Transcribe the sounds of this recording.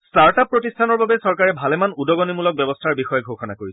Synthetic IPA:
staɹtappːɹotistʰanɔɹbabɛsɔɹkaɹɛbʱalɛmanudɔɡɔnimulɔk̚bɛbɔstʰaɹbixɔjɔɡʱoxɔna̰koɹisɛ

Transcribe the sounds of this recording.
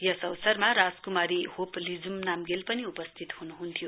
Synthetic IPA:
jʌsʌwsʌrmaɾad͡zkumaɾihoplid͡zumnamɡelpʌniupʌst̪ʰit̪hunuɦunt̪ʰjo

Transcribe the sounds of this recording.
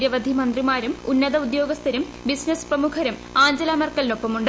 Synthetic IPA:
ɾjɐʋɐd̪ʱimɐnd̪rimaːɾumunːɐðɐud̪jo̞ːɡɐst̪ʰɐɾum | bisnɐsprɐmuːkʰɐɾumaːɲd͡ʑɐlaːmɐrkːɐlino̞pːɐmuɳɖ

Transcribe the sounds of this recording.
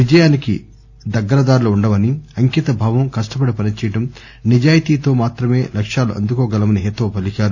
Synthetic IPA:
ʋid͡ʒɐjaːnikḭ | d̪ɐɡːɐɾɐd̪aːɾulɐuɳɖɐmɐniɐŋkit̪ɐbʱaːʋɐmkɐʂʈɐp̬ɐɽipɐnit͡ʃɛjɐʈɐm | nid͡ʒaːjit̪iːt̪o̞ːmaːt̪ɾɐme̞ːlɐkʂaːluʔɐ̰nd̪ukoːɡɐlɐmɐniɦet̪ːoːpɐlikaːɾu

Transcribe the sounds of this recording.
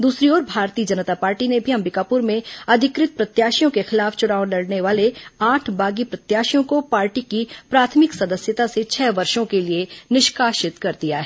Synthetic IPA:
d̪uːsɾiɔːɾbʱaːɾt̪iːd͡ʒɐnət̪apaːɾʈinebʱiɐ̃mɾɪkaːpʊɾmẽɐd̪ʱɪkɾɪt̪̚pɾɐt̪jaːʃjõkexɪlaːft͡ʃʊɽaːolɐɽneʋaːleaːʈʰbaːɡipɾɐt̪jaːʃjõkopaːɾʈikipɾaːt̪ʰmɪksɐd̪əsjət̪aset͡ʃʰɛːʋɐɾʃõkelienɪʃkaːʃɪt̪kɐɾd̪ijaɦɛː

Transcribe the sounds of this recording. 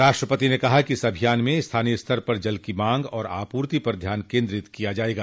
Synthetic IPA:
ɾaːʃʈɾəpət̪inekɐɦakiɪsɐbʱijaːnmẽɪst̪ʰaːnijest̪ʰɐɾpɐɾd͡ʒɐlkimãːŋɡɔːɾa̰ːpuːɾt̪ipɐɾd̪ʱjaːnkẽːnd̪ɾɪt̪kijad͡ʒaːeːɡaː

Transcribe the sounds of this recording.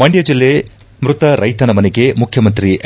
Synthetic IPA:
mɐɳɖjɐd͡ʒilːe | mɾut̪ɐɾʔɐjt̪ɐnɐmɐneɡemukʰjɐmɐnt̪ɾiʔ

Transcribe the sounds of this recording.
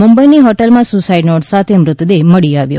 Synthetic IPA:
mʊmbəjniɦɔʈəlmãsʊsaiɖnoʈsat̪ʰemɾʊt̪ːd̪eməɭiaʋjo̰

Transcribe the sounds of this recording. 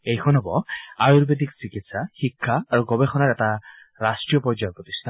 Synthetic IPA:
ejkʰɔnɦɛbɔajuɾbed̪iksikit̪saxikʰːaːɹuɡɔbexɔnaɹɛta | ɹasʈɹijɔpɔd͡ʒaɔpɹɔt̪ist̪ʰa

